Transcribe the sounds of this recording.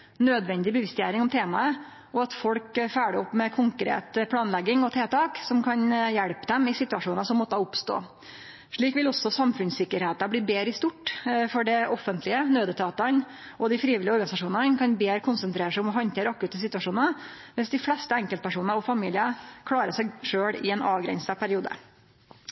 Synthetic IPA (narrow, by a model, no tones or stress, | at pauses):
nøːd̪ʋɛnd̪ɪbəʋɪst̪jæ̰ːɾɪŋɔmt̪ʰeːmɑə | ɔɑt̪fɔlkfæːɖəɔpːmɛkʰʊŋkɾḛːt̪pʰlɑːnlɛɡːɪŋɔt̪ʰeːt̪ɑːksɔmkʰɑnjɛɽpəd̪ɛmɪsɪt̪ʉɑʂuːnɑʂɔmːɔt̪ːəɑʊpst̪o̰ː | ʂɭiːkʋɪlɔsɔsɑmfʉnsɪkːəɾheːt̪ɑbliːbeːɾəɪst̪ʊʈːfɔɖɛʔɔfənt̪lɪənøːd̪ət̪ʰɑːt̪ɑn | ʔɔd̪ɪfɾiːʋɪlɪəɔɾɡɑnɪsɑʂuːnɑnkʰɑnbeːɾəkʰʊnsənt̪ʰɾeːɾəʂɪɔmɔɦɑnt̪ʰeːɾəɑkːʉt̪əsɪt̪ʉɑʂuːnə | ʋɪsd̪ɪflɛst̪əɛŋkəlt̪pʰæʂuːnəɾɔfɑmiːlɪəkʰlɑːɾəsæɪʂøːɽɪɛːnɑːʋɡɾɛ̰nsəpʰæɾɪuːd̪ə̰